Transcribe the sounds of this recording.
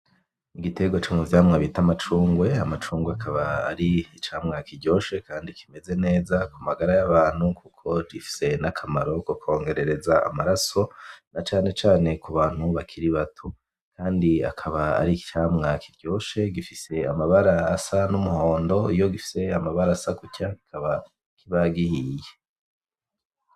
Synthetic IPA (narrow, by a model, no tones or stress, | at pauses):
iɡitʰe̞ɡwot͡ʃomuvjaːmŋaβitamat͡ʃuːŋɡwe̞amat͡ʃuːŋɡweakʰaβaːɾiit͡ʃaːmŋakiɾɟo̞ːʃe̞kʰaːndikime̞ze̞ne̞ːzakumaɡaɾajaβaːn̥hukukʰo̞ɡifi̥se̞nakʰamaɾo̞kokʰo̞ːŋɡe̞ɾe̞ɾe̞zaa̰maɾaso̞nat͡ʃaːne̞t͡ʃaːne̞kuβaːn̥huβakʰiɾiβatʰo | kʰaːndia̰kʰaβaa̰ɾiki̥t͡ʃaːmŋakʰiɾɟo̞ːʃe̞ɡifise̞amaβaɾaːsanumuho̞ːndo̞ijo̞ɡifi̥se̞amaβaɾasakucaɡi̥kʰaβa | kʰiβaɡihije